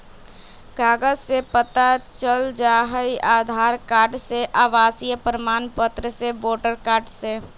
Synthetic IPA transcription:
kaːɡəd͡ʒsepət̪at͡ʃəld͡ʒaːɦəiaːd̪ʱaːɾkaːɾɖseʔaːʋaːsijəpɾəmaːnpət̪ɾəseʋoːʈəɾkaːɾɖse

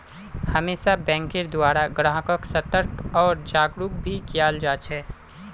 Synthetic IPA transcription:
həmeːʃabɛ̃ːŋkɪɾd̪waːɾaɡɾãːɦəkəksət̪əɾkɔːɾd͡ʒaːɡɾuk̚bʱikijaːld͡ʒaːt͡ʃʰɛː

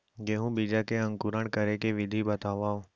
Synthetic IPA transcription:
ɡeːɦũbid͡ʒakeə̃ŋkuɾəɳkəɾekeʋɪd̪ʱibət̪aːʋaːo

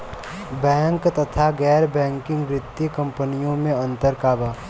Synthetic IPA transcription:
bɛ̃ːŋkt̪ət̪ʰaɡɛːɾbɛ̃ːŋkɪ̃ŋɡʋɾɪt̪ːikə̃mpənijõmẽɐ̃nt̪əɾkaːba

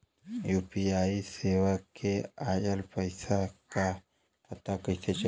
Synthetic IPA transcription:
jupiaiseʋakeajəlpəjsaka | pət̪akətʰet͡ʃ

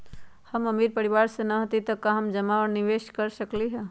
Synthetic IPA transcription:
həməmiːɾpəɾiʋaːɾsenɐɦət̪it̪ɐkaɦɐmd͡ʒɐmaəɾniʋeːʃkəɾsəkliɦɛ

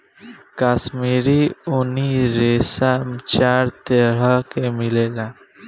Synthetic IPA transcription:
kaːsmiːɾiuniɾeːsamt͡ʃaːɾt̪eɾakemɪleːla

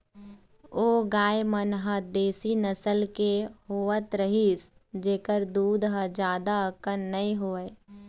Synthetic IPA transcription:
oːɡaːjmənɦəd̪eːsinəsəlkehoːət̪ɾəɦiːs | d͡ʒeːkəɾd̪uːd̪ɦəd͡ʒjaːd̪aəkənːɐĩɦoːe

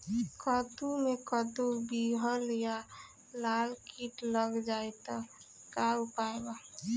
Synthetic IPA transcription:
kət̪umekət̪ubiɦəlja | lalkiʈləɡd͡ʒaet̪a | kaupaeɡa

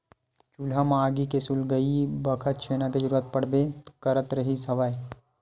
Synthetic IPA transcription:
t͡ʃulamaːɡikesulɡəibɐkʰət̪̚t͡ʃʰeːnaked͡ʒəɾuːɾət̪̚pɐɽ̤bekɐɾət̪ɾəɦisɐʋaːe

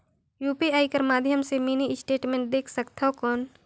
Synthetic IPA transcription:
juːpiaːikəɾmaːd̪ʱjəmsemiːniɪsʈeːʈmẽːɳʈ̚d̪eːkʰsəkt̪ʰaɦokɔːn

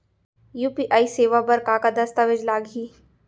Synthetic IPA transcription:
juːpiːʔaːiseːʋabɐɾkakad̪ɐst̪aʋed͡ʒlaːɡɦiː

